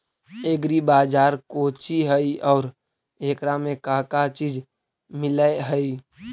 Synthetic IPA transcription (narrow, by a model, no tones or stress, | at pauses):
eːɡɾibaːd͡ʒaːɾkoːt͡ʃiɦəiɔːɾ | eːkɾamẽkakat͡ʃiːd͡ʒ | mɪləeɦəi